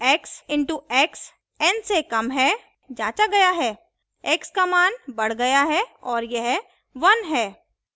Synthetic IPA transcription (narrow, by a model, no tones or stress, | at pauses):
ɛːksɪ̃ɳʈuɛːks | ɛ̃nsekɐmɦɛː | d͡ʒaːt͡ʃaɡɐjaɦɛː | ɛkskamaːnbɐɽ̤ɡɐjaɦɛɔːɾjɐɦ | ʋɐnɦɛː